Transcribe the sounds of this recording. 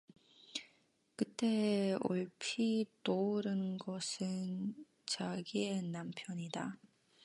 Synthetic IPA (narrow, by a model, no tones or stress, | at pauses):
kɯt͈e̞o̰ɭpʰitoɾɯnɡʌsʰɯn | t͡ɕaɡie̞nampʰjʌɲida